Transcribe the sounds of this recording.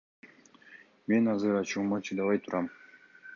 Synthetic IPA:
me̞nɑzɯɾɑt͡ʃumɑt͡ʃʰɯd̪ɑβɑjt̪ʰuɾʔɑm

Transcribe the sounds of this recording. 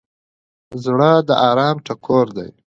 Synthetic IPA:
zɽəd̪əʔɑːɾɑːmʈakʰoɾd̪a̰j

